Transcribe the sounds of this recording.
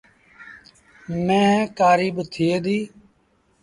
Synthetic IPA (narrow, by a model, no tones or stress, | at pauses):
mẽːkaːɾiːbt̪ʰiːeːd̪iː